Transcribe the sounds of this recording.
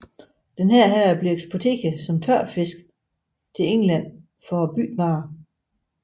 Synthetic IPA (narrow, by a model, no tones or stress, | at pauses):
d̥enɦæɐ̰ɦæɐb̥lieɡ̥sb̥o̝t͡sʰe̝̰ːɡ̥æsɒ̽mt͡sʰɶɐ̰fe̝sɡ̥ | t͡sʰe̝eŋlæn̰ | fɒb̥y̰ːd̥ʋɑ̈ː